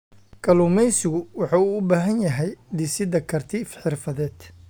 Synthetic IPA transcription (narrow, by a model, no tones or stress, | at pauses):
kʰɐluːmɛjsɪɣʊwɑħɑuːbaːɦɐnjɐɦɛjd̪ɪsɪðɐkʰɐrt̪ʰiːfħɪrfɐðɛːd̪̥